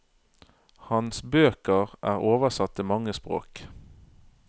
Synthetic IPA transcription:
hɑnsbøːkəʁʔæ̰ːʁoːʋəsɑt̪ːimɑŋːəspʁo̰ːk

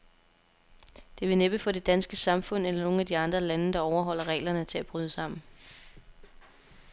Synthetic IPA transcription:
d̥e̝ʋe̝neb̥əfɒ̽d̥e̝d̥ænsɡ̥əsɑ̈mfɔ̽n̰elɐno̝ːŋ̩æd̥iɑ̈nd̥ʁɐlænəd̥ɑ̈ɒʊɐɦɒ̽l̰ɐʁɛ̰ːlɐnət͡sʰe̝æb̥ʁyːð̞ˠəsɑ̈m̰n̩

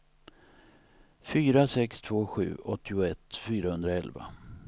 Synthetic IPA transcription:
fyːɾasɛkst̪ʰv̥oːɧʉ̟̰ːɔt̪ʰːɪʊɛt̪ːfyːɾahɵnd̪ɾaɛlva̰

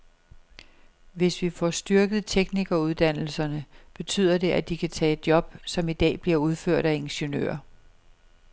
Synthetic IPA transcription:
ʋe̝sʋifɒsd̥yɐɡ̥ð̞̩ˠt͡sʰeɡ̥niɡ̥ɐuð̞ˠd̥æn̰l̩sɐnəb̥e̝t͡sʰy̰ːð̞ˠɐde̝ʔæd̥ikʰæt͡sʰɛ̰ːe̝d̥̚jɒ̽b̥̚sɒ̽mid̥ɛ̰ːb̥liɐuð̞ˠføɐ̰ɾ̥æe̝nɕənø̰ːɐ

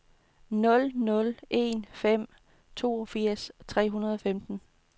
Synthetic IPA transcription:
nɔ̽lnɔ̽lʔe̝nfem̰ | t͡sʰo̝̰ːɒfiɐ̰st͡sʰʁɛ̰ːɦunɐð̞ˠɒ̽femd̥n̩

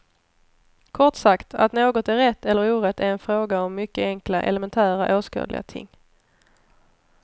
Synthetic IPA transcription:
kʰɔʈsakt̪ʰa̰t̪noːɡɔt̪æɾɛt̪ːɛlːəɾuːɾɛt̪ːæɾɛnfɾoːɡaɔmːʏkːəɛŋkla̰ʔɛ̰ləmɛnt̪ʰæːɾaʔoːskɑ̰ːlɪ̰a̰t̪ʰɪ̰ŋː

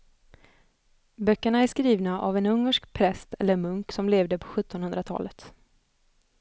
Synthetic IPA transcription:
bœkːəɳaæʂkɾiːvnaʔa̰vɛnɵŋːəʂkpʰɾɛst̪ɛlːəmɵŋksɔmleːvd̪əpʰɔ̥ɧɵt̪ʰːɔnhɵnd̪ɾat̪ʰɑ̰ːlət̪

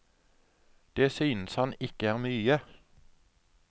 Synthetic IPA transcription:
d̪̥eːsyːnəshɑnɪkəæːʁmyːə

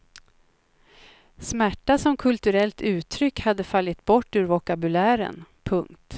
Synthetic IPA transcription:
smæʈːasɔmkʰɵlt̪ɵɾɛlt̪ʰʉ̟ːt̪ʰɾʏkhad̪ːəfalːɪt̪bɔʈːʉ̟ɾvɔkabɵlæːɾə̰npʰɵŋkt̪

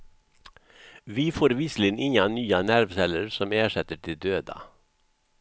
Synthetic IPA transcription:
ʋiːfoːɾʋiːslɪnʔɪŋanyːanæɾʋsɛləɾsɔmæːʂɛt̪əɖeːd̪øːd̪ɑ̰

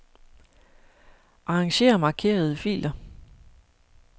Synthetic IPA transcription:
ʔɑ̈ʁɑ̈ŋɕe̝̰ːɐmɑ̈ːkʰe̝̰ːɐð̞̩ˠəfḭːl̥ɐ

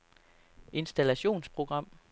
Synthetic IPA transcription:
ʔe̝nsd̥ælæɕo̝̰ːnspʰʁo̝ɡ̥ʁɑ̈m̰

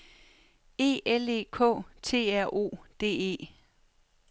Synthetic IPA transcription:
e̝̰ːele̝̰ːkʰɔ̰̽ːt͡sʰe̝̰ːæɐ̰ʔo̝̰ːd̥e̝̰ːe̝̰ː

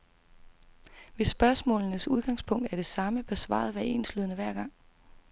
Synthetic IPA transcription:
ʋe̝sb̥ɶɐsmɔ̰̽ːlnəsuð̞ˠɡ̥ɑ̈ŋspʰɔ̽ŋ̰d̥æɐɾ̥e̝sɑ̈məb̥esʋɑ̰̈ːð̞̩ˠʋæɐe̝nslyðˠənəʋæɐ̰ɡ̥ɑ̈ŋ̰

